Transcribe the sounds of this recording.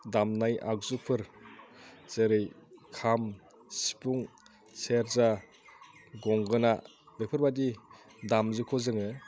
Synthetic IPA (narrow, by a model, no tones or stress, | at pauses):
damnajʔa̰k̚zupʰɯɾ | z̥eɾɯjkʰam | si̥pʰuŋ | seɾza | ɡɔŋɡɯna | lɯpʰɯɾbadi | damzɯkʰɔzɯŋɯ